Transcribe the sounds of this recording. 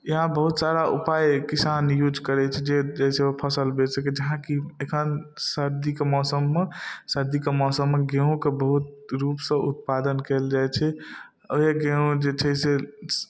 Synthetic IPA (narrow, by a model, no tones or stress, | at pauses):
jəɦãbəɦut̪saɾaʔupajkisanjud͡ʒkəɾɛt͡ʃʰɛd͡ʒed͡ʒeɪsepʰəsəlbesəked͡ʒəɦãkiekʰənsəɾd̪ikemɔsəmːesəɾd̪ikemɔsəmːeɡeũkebəɦut̪ɾupsə̃ʔṵt̪̚pad̪ənkeld͡ʒajt͡ʃʰɛ | əeɡẽũd͡ʒet͡ʃʰɛse